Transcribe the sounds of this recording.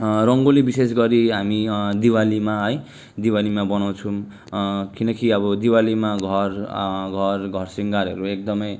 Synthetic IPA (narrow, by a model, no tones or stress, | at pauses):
rʌŋɡolebisesɡʌɾiɦamid̪iwalimaɦʌj | d̪iwalimabʌnaw̃t͡sʰũm | kinʌkiʌbʌd̪iwalimaɡʱʌrɡʱʌrɡʱʌrsiŋɡaɾɦʌ̰ɾuek̚d̪ʌmʌj